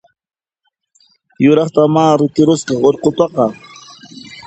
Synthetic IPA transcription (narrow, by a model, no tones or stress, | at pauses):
jʊɾɑχt̪amaːɾɪk̪ɪɾʊsqɑχoɾqot̪ɑqɑ